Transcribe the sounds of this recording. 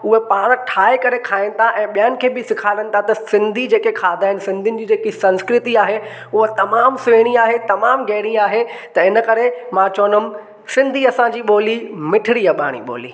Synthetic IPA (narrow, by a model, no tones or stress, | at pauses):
ʊɦepaːɽ̃ʈʰaːekɐɾekʰaːɪnɪ̆t̪ʰaʔɛ̃ːɓijənɪ̆kʰeːbɪsɪkʰaːʋenɪ̆t̪ʰat̪ɐsɪ̃nd̪ʱid͡ʑeːkekʰaːd̪ʱaːɦɪnɪ̆sɪ̃nd̪ʱiʊnɪ̆d͡ʑiːd͡ʑeːkisɐ̃nskɾɪt̪iaːɦe | ʊɦot̪ɐmaːmsʋeːɽ̃iaːɦet̪ɐmaːmɡeːɽ̃iaːɦet̪ɐɪnə̆kɐɾemãːt͡ɕoːnəm | sɪ̃nd̪ʱiɐsãd͡ʑiːɓoːlimɪʈʰɪɽiɐɓa̰ːɽ̃ḭɓo̰ːlḭː